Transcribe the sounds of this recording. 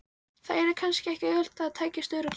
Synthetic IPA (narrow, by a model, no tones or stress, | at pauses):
θaɛɾɛɾkʰanscɪɛhcɪœl̥t̪aðt̪ʰaːjcɪst̪œːɾʏk